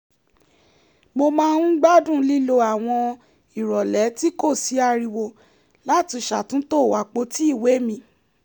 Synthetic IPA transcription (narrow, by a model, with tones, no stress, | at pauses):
mo˧mãː˦˧nũ˦ɡ͡ba˦dũ˦˨˦li˦lo˧a˨w̃ɔ̃˧ | i˨ɾɔ˨lɛ˨˦ti˦ko˦˨si˨˦a˧ɾi˧wo˧ | la˦ti˧˨ʃa˨tũ˦to˦˨wa˨˦k͡po˧˦ti˦i˦˨we˨˦mĩ˧